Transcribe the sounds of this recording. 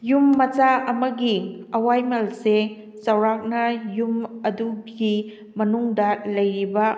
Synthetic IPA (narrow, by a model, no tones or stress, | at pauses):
jumːɐt͡ʃaɐmɐɡiɐwajmɐlse | sɐwɾak̚nɐjumɐduɡi | mɐnuŋdɐlɐjɾibɐ